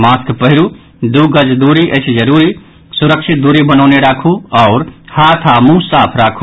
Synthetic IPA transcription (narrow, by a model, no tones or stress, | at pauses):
maskpəɦiɾu | d̪uɡəd͡ʒd̪uɾiʔət͡ʃʰd͡ʒəɾuɾi | suɾəkʃʰit̪̚d̪uɾibənəʊneɾakʰuɔʊɾhat̪ʰamũsapʰɾakʰu